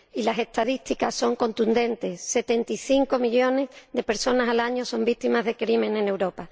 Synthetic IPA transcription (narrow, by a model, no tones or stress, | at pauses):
ilase̞st̪aðist̪ikaso̞ŋko̞nt̪und̪e̞nt̪e̞sse̞t̪e̞nt̪iθiŋko̞miʎo̞ne̞zðe̞pe̞ɾso̞nasalaɲoso̞mbik̚t̪imazðe̞kɾimẽ̞nẽne̞wɾo̞pa